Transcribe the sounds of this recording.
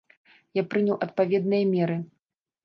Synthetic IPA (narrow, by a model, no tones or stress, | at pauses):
japɾɨnʲɐwʔɐt̪̚pavʲɛd̪nɨjɐmʲɛɾɨ